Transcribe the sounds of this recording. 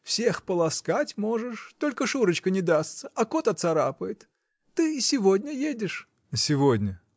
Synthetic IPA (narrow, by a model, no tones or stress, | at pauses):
fsʲe̞xpəlˠɐskatʲmo̞ʐɨʂt̪o̞lʲkəʂuɾət͡ɕkənʲɪd̪ast̪səʔɐkot̪ɐt̪sɐɾapəjɪt̪ː | ɨɪsʲɪvo̞dʲnʲəjedʲɪʂ | əsʲɪvodʲnʲə